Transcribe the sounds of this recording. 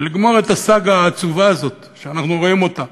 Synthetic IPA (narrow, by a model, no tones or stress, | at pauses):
liɡmo̞ʁe̞t̪asaɡaːt͡suvaːzo̞t̪ | ʃeanaχnuʁo̞imo̞t̪a